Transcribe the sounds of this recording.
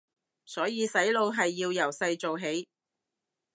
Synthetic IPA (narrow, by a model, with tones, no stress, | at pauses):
sɔː˨˥jiː˧sɐ˨˥jlo˧wɦɐ˨jːiː˧wjɐ˨˩wsɐ˧jt͡so˨wɦe˨˥j